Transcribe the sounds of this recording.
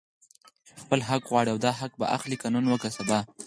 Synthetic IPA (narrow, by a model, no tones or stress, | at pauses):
xpəlɦakɣwɑɽiawd̪ɑɦak̚ba̰ʔa̰xlikanənwəkasab̪ɑ